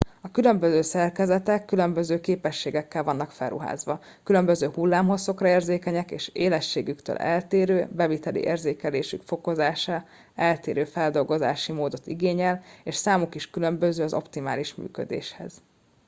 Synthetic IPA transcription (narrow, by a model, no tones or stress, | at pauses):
ɒkylø̞mbøzøːsɛrkɛzɛt̪ɛkːylø̞mbøzøːkeːpɛʃːeːɡɛkːɛlvɒnːɒkfɛ̰lrṵɦa̰ːzʋɒ | kylømbøzøːhulːaːmɦo̞so̞krɒeːrzeːkɛɲɛkḛːʃeːlɛʃːeːɡykt̪ø̰ːlʔɛ̰lt̪eːɾøːbɛvit̪ɛlḭʔḛːrzeːkɛleːʃykfo̞ko̞zaːʃa | ɛlt̪eːɾøːfɛld̪o̞lɡo̞za̰ːʃimoːd̪o̞t̪ḭɡeːɲɛleːʃsaːmukiʃkylø̞mbøzøːɒzo̞̰pt̪ima̰ːliʃmy̰ːkø̰d̪ḛːʃhɛ̰z̥